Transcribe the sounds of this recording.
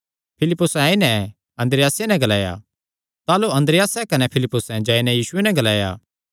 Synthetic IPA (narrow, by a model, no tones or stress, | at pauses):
pʰɪlɪpːʊsãːinɛ̃ | ɐ̃nd̪ɾɪjaːsenɛ̃ɡɐlaːja̰ | t̪aːloɐ̃nd̪ɾɪjaːsɛkɐnɛpʰɪlɪpːʊsɛ̃d͡ʒaːinɛ̃jiːsʊenɛ̃ɡɐlaːja̰ː